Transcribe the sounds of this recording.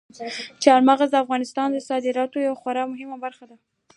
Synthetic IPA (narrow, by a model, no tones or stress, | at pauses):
t͡ʃeaɾmaɣazd̪əafɣɑnɪst̪ɑnd̪əsɑd̪ɪɾɑt̪ojawaxwaɾɑmʊɦɪmabaɾxad̪a